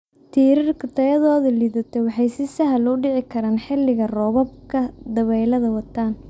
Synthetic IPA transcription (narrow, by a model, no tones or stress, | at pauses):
t̪ʰiːɾɪrkʰɪt̪ʰɐjɐðɔːðɐliːðɐt̪ʰɛwɑħɑjsɪsɐɦɐlɔɖɪʕɪkʰɐɾaːnħɪlːɪɣɐrɔːβɔb̚kʰɐd̪ɐβɛjlɐðɐwɑt̪ʰaːn